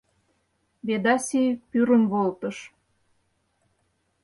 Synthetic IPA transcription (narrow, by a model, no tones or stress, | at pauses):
βed̪ɑsʲipyɾə̆nβolt̪ə̆ʃ